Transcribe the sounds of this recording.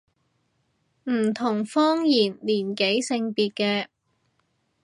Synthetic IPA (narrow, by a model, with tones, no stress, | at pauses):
m̩˨˩t̪ʰʊ˨˩ŋfɔː˥ŋjiː˨˩nliː˨˩nke˨˥jsɪ˧ŋpiː˨t̚kɛː˧